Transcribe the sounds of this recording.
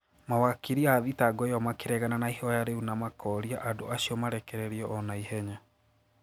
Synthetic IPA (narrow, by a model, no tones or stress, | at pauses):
mawakiɾiaːðitaɡɔjɔmakeɾɛɣananaihɔjaɾeunamakʰɔɾiaʔado̰asiɔmaɾɛkɛɾɛɾiɔʔɔnaihɛɲa